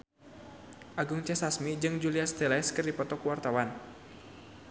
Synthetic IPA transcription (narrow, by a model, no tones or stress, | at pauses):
ʔaɡuŋt͡ʃasasmid͡ʒɨŋd͡ʒuliast̪ɛlaɛskɨrdipɔt̪ɔkuwart̪awan